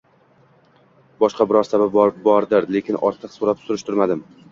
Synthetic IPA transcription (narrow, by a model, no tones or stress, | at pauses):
bɒʃqɑbɪɾɒɾsabab̚bb̚bɒɾd̪ɪɾle̞kʲʰɪnʔɒ̰ɾt̪ʰɨqsoɾapsʊɾɪʃt̪ʰʊɾmad̪ɪm